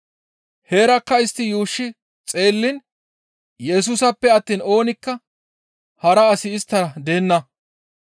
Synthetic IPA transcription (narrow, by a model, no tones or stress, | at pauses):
heːɾɐkːɐɪst̪ːɪjuːʃːɪ | t͡sʼe̞ːlːɪn | jɛs̬ʊsɐpːɛɐt̪ːiːno̞ːnɪkːɐ | hɐɾɐːsɪɪst̪ːɐɾɐd̪eːnːɐ